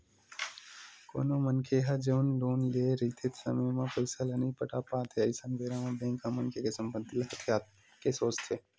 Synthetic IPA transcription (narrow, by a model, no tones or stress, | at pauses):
ko̰ːnomənkʰeɦɐd͡ʒəʋnloːnleːɾit̪ʰet̪sə̰məjmãpəjsələnipəʈaːpaːt̪ʰeɐjsənbeːɾãmɐd̪ẽːkamənkʰekesə̃mbənd̪ilɦət̪ʰjaːt̪̚ | kesoːst̪ʰe